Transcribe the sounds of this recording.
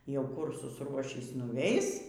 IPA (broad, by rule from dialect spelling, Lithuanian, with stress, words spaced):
jɛʊ ˈkʊr sʊsˈruɔʃʲiːs nʊˈʋʲɛɪs